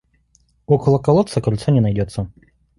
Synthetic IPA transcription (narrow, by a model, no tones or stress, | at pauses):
ɔkəlˠəkɐlˠɔt̪səkɐlʲt̪sanʲɛnɐjdʲɔt̪sːə